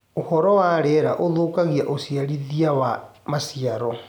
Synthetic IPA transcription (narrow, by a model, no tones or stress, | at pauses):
ohɔɾɔwaɾɛɾaʔoðoːkaɣiaʔosiaɾiðiawamasiaɾɔ